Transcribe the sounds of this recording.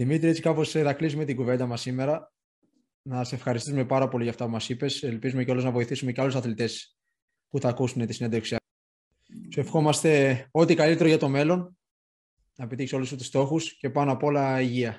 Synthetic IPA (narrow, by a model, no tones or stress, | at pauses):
ðimit̪ɾie̞t͡si̥kɐpo̞seðɐklisume̞t̪iɡuve̞nd̪ɐmɐsːime̞ɾɐ | nɐse̞fxɐɾist̪isume̞pɐɾɐpo̞liʝɐft̪ɐpumɐsipe̞selpizume̞ceoloznɐvo̞iθisume̞ceɐlusɐθlit̪e̞s | puθɐkusunet̪isine̞nd̪eksi | se̞fxo̞mɐst̪e̞o̞t̪ikɐlit̪e̞ɾo̞ʝɐt̪o̞me̞lo̞n | nɐepet̪içso̞lusut̪ust̪o̞xusce̞pɐnoɐpoolɐiʝiɐ